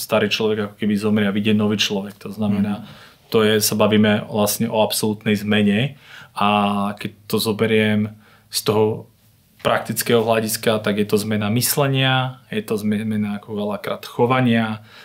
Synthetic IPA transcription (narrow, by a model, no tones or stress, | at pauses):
st̪aɾiːt͡ʃlɔʋɛɡakɔ̥kɛbizɔmɾɛaʋiɟɛnɔʋiːt͡ʃlɔʋɛkt̪ɔznamɛnaː | t̪ɔjɛsabaʋiːmɛʋlast̪ɲɛʔɔapsɔlut̪nɛjzmɛɲɛakɛc̚t̪ɔzɔbɛɾɪɛm | st̪ɔɦɔ | pɾak̚t̪it͡skɛːɦɔɦlaɟiskat̪aɡjɛt̪ɔzmɛnamislɛɲɪajɛt̪ɔzmɛmɛnaːkɔʋɛlakɾa̰ːt̪xɔʋaɲɪa